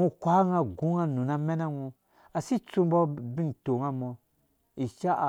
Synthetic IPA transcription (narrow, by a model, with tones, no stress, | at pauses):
ŋu˦kʷa˦ŋa˨ɡu˦ŋa˦nu˨na˦mɛ˦na˦ŋũ˧ | a˨si˦t͡su˦mbɔ˦bi˦nto˨ŋa˦mɔ˨ | i˨ʃa˦˨